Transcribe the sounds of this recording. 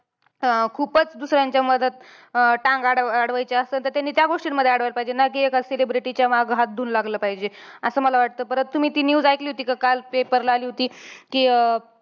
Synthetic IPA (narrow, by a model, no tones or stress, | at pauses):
kʰuːpət͡sd̪usɾjaɲt͡ɕjaməd̪ʱət̪̚ | ʈãŋɡaɽaɽʋajt͡ɕeəst̪əːnt̪əɾt̪anːiːt̪jaɡoʂʈinməd̪ʱːjeaɽʋajlpaɦid͡ʑenak̬iːekaselebɾiʈit͡ɕjamaɡɦat̪̚d̪ʱuːnlaɡləːpaɦid͡ʑeəsəːməlaʋaʈ̚t̪əːpəɾənt̪t̪ːum̤iːt̪iːnjuːd͡zajkliːɦot̪iːkakalpepəɾlaaliːɦot̪iːkiː